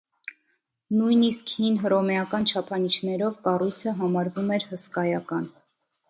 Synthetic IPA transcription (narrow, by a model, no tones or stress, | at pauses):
nujniskhinɦərɔmɛɑkɑnt͡ʃʰɑpʰɑnit͡ʃʰnɛɾɔvkɑrujt͡sʰəɦɑmɑɾvumɛɾhəskɑjɑkɑn